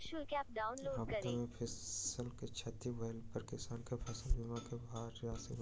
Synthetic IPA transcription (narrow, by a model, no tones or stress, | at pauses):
ʃukeaːp̚ɖaːʊnloːaːkɐɾmẽpʰɪsəlket͡ʃʰɐt̪iwəːlpəɾkɪsaːnkepʰɐsəlbɪmãkebaːɾjaːsi